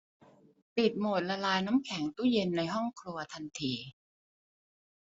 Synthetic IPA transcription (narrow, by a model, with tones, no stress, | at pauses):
p̪i˨˩t̪̚mo˨˩t̪̚la˧laː˧jnaː˦˥mkʰɛ˩˦ŋt̪u˥˩je˧nːa˧jɦɔ˥˩ŋkʰɾu˧ɐt̪ʰa˧nt̪ʰiː˧